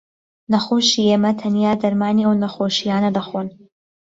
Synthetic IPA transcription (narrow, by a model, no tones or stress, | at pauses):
nɐχuʃieːmɐt̪ʰɐnijaːd̪ɐɾmaːniwnɐχoːʃijaːnɐd̪ɐχun